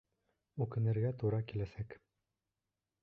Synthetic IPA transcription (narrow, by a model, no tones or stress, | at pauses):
ʉkɘ̆nɘ̆ɾɡæt̪uɾɑkilæsæk